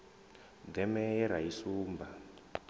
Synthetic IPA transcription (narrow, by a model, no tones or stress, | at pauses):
d̪ɛmɛɛɾajisuːmbʱa